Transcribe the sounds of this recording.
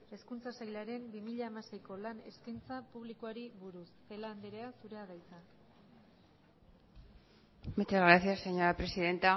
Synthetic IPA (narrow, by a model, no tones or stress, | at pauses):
eskunt͡sasajlaɾe̞mbimiʎaːmase̞jko̞lane̞skint͡sapuβ̞likoaɾiβuɾusːe̞laːnd̪eɾe̞asuɾeaɣajt͡sa | met̪ezɣɾaθiaseɲo̞ɾapɾe̞siðe̞nt̪a